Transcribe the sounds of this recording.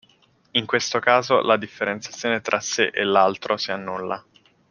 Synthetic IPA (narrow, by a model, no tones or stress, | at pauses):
iŋkwest̪okaːzolʔad̪ifːeɾent̪sjat̪sːjoːnet̪ɾʔaseʔelːalt̪ɾʔosianːulːa